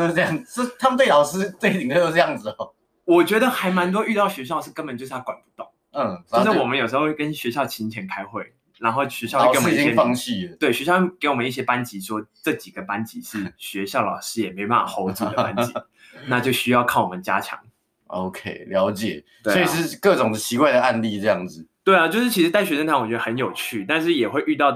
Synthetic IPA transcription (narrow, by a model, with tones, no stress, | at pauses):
o˥˧˥jɑ˥˩ŋ˩t͡ɕo˥t̪ʰa˥mə˨nt̪we˥˩ɪlɑ˨˩ʊʂɻ̩˥t͡swe˥˩ɪti˨˩ŋə˧jo˥ʈ͡ʂɤ˥˧jɑ˥˩ŋd͡z̩˨˩ | wɔ˨˩t͡ɕɥɛ˧˥d̪ə˨xa˧˥ɪma˧˦nt̪̬wɔ˥y˥˧t̪ɑ˥˩ʊɕɥɛ˧˥ɕjɑ˥˩˨ʂ̩˥˩kə˥nmpə˨nt͡ɕjʊʂ̩˥˩t̪ʰa˥kwa˨˩npu˧˦t̪o˥˩ŋ̩˥˩˥ | ʂ̩˥˩˨wɔ˨˩mə˨˦jo˨˩ʂ̬ɤ˧˥xo˥˧˥kə˦nɕɥɛ˧˥ɕjɑ˥˨ʊt͡ɕʰi˧˥nt͡ɕʰjɛ˧˥nkʰa˥ɪxwe˥˩ɪ | na˧˥nxo˥˩ʊɕɥɛ˧˥ɕjɑ˥˧˥wɔ˨˥ɛ˥ɑ˥˧ŋɕi˥˧t̪we˥˩ɪɕɥɛ˧ɕjɑ˥˧˥ke˧˥ɪwɔ˨˩mə˦ni˥˩ɕjɛ˥pa˦nt͡ɕi˧˥ʂwɔ˥ʈ͡ʂɤ˥˩t͡ɕi˨˩ɡ̥ə˦pa˦˥nt͡ɕi˧˥ʂɻ̩˥˩ɕɥɛ˧˥ɕjɑ˥˩ʊlɑ˨˩ʊʂɻ̩˥jɛ˨˩me˧˥ɪo˩pa˥˩fa˨˩xo˧˥ʊt͡su˨˩d̪ə˧pa˥nt͡ɕi˦ | na˥˧t͡ɕjo˥˩ʊɕy˥jɑ˥˧ʊkʰɑ˥˩wɔ˨˩mə˦nt͡ɕja̰˥t͡ɕʰjɑ̰˧˥ŋ | o˧ʊkʰe˥ɪljɑ˧˥ʊt͡ɕjɛ̰˨˩˦ | t̪we˥˩ɔ˥i˨˩ʂɻ̩˥˩˧kɤ˥˩ʈ͡ʂʊ˨˩ŋd̪ət͡ɕʰi˧˥kwa˥˩ɪd̪ə˩a˥˧nli˥˧ʈ͡ʂɤ˥˧jɑ˥˩ŋd͡z̩˨˩t̪we˥˩ɪla˨t͡ɕjo˥˧ʊʂɻ̩˥˩t͡ɕʰi˧˥ʂ̩ɻ̩˧t̪a˥˩ɪɕɥɛ˧˥ʂə˥nt̪ʰa˧˥nwt͡ɕɥɛ˧˥ə˧ə˧˦njo˨˩ʊt͡ɕʰy˥˩t̪a˥˧nʂɻ̩˥˩jɛ˨˩xwe˥˧ɪʔy˥˧t̪ɑ˥˩ʊ